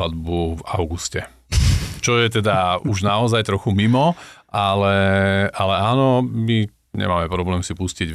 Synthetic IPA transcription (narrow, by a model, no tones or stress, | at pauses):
ad̪buvaʊɡuscɛ | t͡ʃɔjɛt̪ɛd̪auʒnaɔzajt̪ɾɔxumimɔʔalɛalɛaːnɔmi | ɲɛ̰maːmɛpɾɔblɛːmsipusciɟ